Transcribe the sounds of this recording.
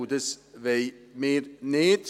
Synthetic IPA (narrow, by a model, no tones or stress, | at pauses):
d̪əsʋeɪmeːɾneːd̪̥